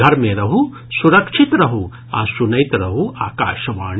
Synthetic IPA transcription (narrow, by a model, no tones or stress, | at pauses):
ɐɾmeɾɐɦu | suɾɐkʂit̪ɾɐɦu | aːsunɐjt̪ɾɐɦuʔaːkaːʃɐʋaːɳ